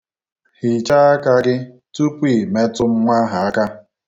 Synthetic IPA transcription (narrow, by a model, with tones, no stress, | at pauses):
hi˨t͡ʃa˦a˦ka˦ɡɪ˦ | tu˦pʷi˦˨me˦tʊ˦m̩˦ŋʷa˦ɦa˨a˦ka˦